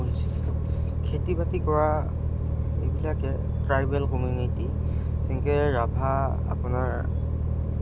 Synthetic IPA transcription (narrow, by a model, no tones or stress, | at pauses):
unsi | kʰetibatikɔɹa | ebilakɛ | tɹajbɛlkɔmjuniti | siŋkɛɹabʱa | a̰pʊnaɹ